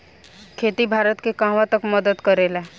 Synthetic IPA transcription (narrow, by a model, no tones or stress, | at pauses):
kʰeːt̪ibʱaːɾət̪kekãːʋãt̪əkməd̪əd̪kəɾeːla